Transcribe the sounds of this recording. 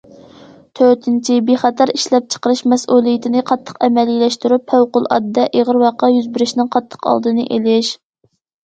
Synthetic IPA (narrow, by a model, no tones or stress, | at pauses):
t̪ʰøɾt̪ʰɪnt͡ʃʰibeχɛt̪ʰɑɾiʃlɛp̚t͡ʃʰə̥qəɾɨʃmɛsʔulˠijɪt̪ʰɪnɨqʰɑt̪ʰːə̥qɛmɛlilɛʃt̪uɾupʰːæwqʊlˠɑ̰d̪ːɛʔeʁəɾwɑqːɑjyzbɪɾɪʃnɪŋqʰɑt̪ʰːə̥qɑ̰lˠd̪ɨnɨʔelɪʃ